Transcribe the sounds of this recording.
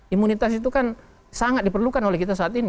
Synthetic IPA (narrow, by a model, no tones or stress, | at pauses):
imunit̪asit̪̬ukan | saŋat̪̚dipərlukanɔlɛhkit̪asaːt̪ini